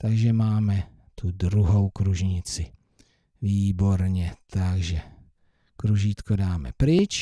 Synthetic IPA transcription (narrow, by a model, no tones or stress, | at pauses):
t̪aɡʒɛmaːmɛ | t̪udɾuɦowkɾuʒɲɪt͡sɪ | viːbo̞ɾɲɛt̪aɡʒɛ | kɾuʒiːt̪kodaːmɛ̰pɾɪt͡ʃ